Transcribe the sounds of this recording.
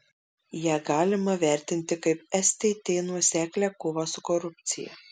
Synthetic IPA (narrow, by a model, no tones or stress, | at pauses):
jæːɡɑːlʲɪmɐʋʲæˑɾʲt̪ʲɪnʲt̪ʲɪkɐɪpɛsʲt̪ʲɛt̪ʲeɪnuɔsʲæːklʲækʊʋosʊkɔɾʊpʲt̪sʲɪjɛ̰